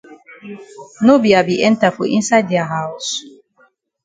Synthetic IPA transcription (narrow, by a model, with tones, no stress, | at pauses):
no˦bia˨bi˨ʔɛ̃˦nta˨fṵ˨ʔḭ̃˦nsa˦dia˨ɦaws